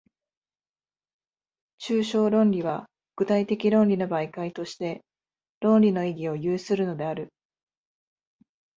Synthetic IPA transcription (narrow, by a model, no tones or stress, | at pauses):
t͡ɕɨːɕo̞ːɾõ̞nɾʲiβa | ɡ̥ɯ̟t̪ait̪e̞kʲiɾõ̞nʲɾʲino̞baikait̪o̞ɕi̥t̪e̞ | ɾõ̞nɾʲino̞iɡʲio̞jɯːsɨɾɯ̟no̞d̪e̞aɾɯ̟